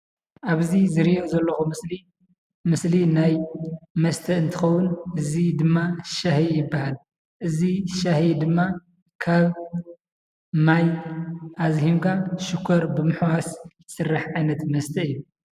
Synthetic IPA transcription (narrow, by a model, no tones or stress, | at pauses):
ʔaβzizɨɾiʔozɐlːɐxumɨsli | mɨslinajmɐst̪ʰɐɨnt̪ʰɨxɐwːunʔɨzid̪ɨmːaʃahijɪbːahal | ʔɨziʃahid̪ɨmːa | kʰaβ | majʔazhimkʰaʃukʰɐɾbɨmɨħwas | sɨrːaħʕajnɐt̪mɐst̪ʰɐɨjːu